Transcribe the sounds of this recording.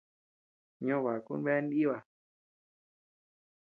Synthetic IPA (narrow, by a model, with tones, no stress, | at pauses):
ɲõ˦˨βa˨kṵ˦n˦βe˦n˦i˦βa˨